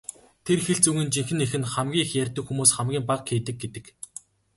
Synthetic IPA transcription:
t̪ʰerxeɬt͡suɣɘ̆nt͡ɕiŋxɘ̆nexɘ̆nχamɡʲiːxjærʲt̪ɘ̆kxumuːsχamɡʲiːmpaqxeːt̪ɘ̆k̚ɡet̪ɘ̆k

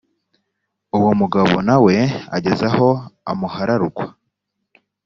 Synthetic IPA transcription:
uwomuɡaβo̞̰nawe̞a̰ɟe̞zaho̞a̰muhaɾaɾukwa

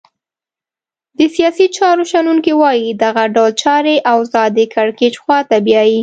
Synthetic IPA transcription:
d̪̥əsijɑsit͡ʃɑɾoʃanuŋkiwɑjid̪aɣaɖawlt͡ʃɑɾeʔawzɑd̪əkaɽket͡ʃxwɑt̪abjɑji

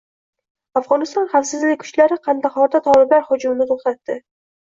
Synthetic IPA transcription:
afʁɒnɪst̪ɒnχafsɪzlɪk̚ʲkʰʊ̥t͡ʃlaɾɪqʰɑnd̪aχɒɾd̪at̪ʰɒlˠɪblaɾhʊd͡ʒʊmnɪt̪ʰoχt̪at̪ːɪ

